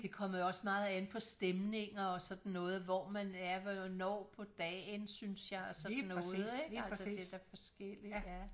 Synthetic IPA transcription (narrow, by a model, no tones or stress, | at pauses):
d̥e̝kʰɒ̽m̰ɐjoɒ̽səmɑ̈ːð̞̩ˠenpʰɒ̽sd̥emne̝ŋɐɒ̽sɒ̽d̥n̩ːɔ̽ːð̩ˠʋɒmænæɐʋnɒ̰ːpʰɒ̽d̥ɛ̰ːnsynsjɑ̈ɪɒsɒ̽d̥n̩ːɔ̽ːð̩ˠeɡælsɐd̥ed̥æɐfɒ̽sɡ̥el̰i̥jæ